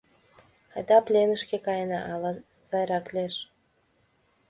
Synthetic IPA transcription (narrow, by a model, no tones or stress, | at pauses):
ɑjd̪ɑplʲenə̆ʃkʲekɑjnɑʔɑlɑ | sɑjɾɑklʲeʃ